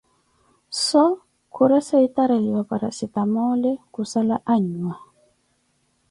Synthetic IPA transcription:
sɔ | kʰuɾɛsaitaɾaliwapaɾa̰sit̪amɔlɛkusalaʔaɲua

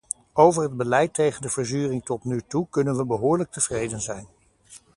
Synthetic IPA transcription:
owvəɹɦəd̚bəlɛjtejχəndəvəɹzyːrɪŋtɔtnytukɵnənʋəbəɦʊːɹlək̚təv̥rejdənzɛjn

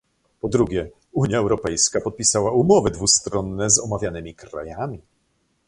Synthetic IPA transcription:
pɔd̪ɾuɡʲjɛ | uɲjaɛwɾɔpɛjskapɔt̪̚pʲisawaumɔvɘd̪vust̪ɾɔnːɛzɔmavʲjanɘmʲikɾa̰jamʲi

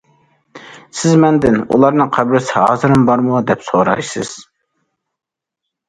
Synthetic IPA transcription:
sɪzmɛnd̪ɪnṵlˠɑɾnɨqʰæbɾɪsɪhɑːzɨɾɨmbɑɾmud̪ɛpsoɾɑjsɨ̰z̥

